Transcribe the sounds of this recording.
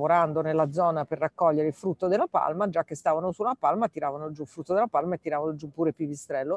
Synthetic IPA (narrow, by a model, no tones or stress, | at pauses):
voɾand̪onelːad̪zːɔːnaperːakːɔʎːeɾeilfɾut̪ːod̪elːapa̰lmad͡ʒak̟ːest̪aːvanosuapalmat̪iɾaːvanod͡ʒulfɾut̪ːod̪elːapalmaet̪ːiɾaːvanod͡ʒupːuːɾepivist̪ɾɛlːo